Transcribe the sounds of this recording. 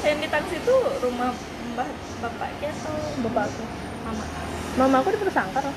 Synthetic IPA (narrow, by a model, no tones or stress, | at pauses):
ajaŋdit̪aŋsit̪urumah | mbah | bapa̰ʔkɛt̪ubapaku | mama̰ʔ | mamakudipərsaŋkara